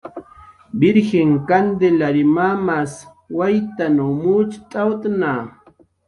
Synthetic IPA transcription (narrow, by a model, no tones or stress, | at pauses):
bɪɾxeŋkand̪elaɾɪmamas | wajt̪anumut͡ʃt̪ʼawt̪ana